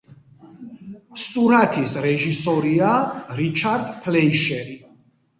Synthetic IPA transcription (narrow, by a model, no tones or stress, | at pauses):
suɾat̪ʰisɾɛʒisɔɾiaɾit͡ʃʰaɾd̪pʰlɛiʃɛɾi